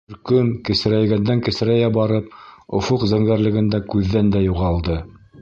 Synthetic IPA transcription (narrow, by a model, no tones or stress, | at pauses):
ɾkɵŋkɘ̆sɘ̆ɾæjɡænd̪æŋkɘ̆sɘ̆ɾæjæbɑɾɤpŏfoqzæŋɡæɾlɘ̆ɡɘ̆nd̪ækʉðːænd̪æjuʁɑlˠd̪ɤ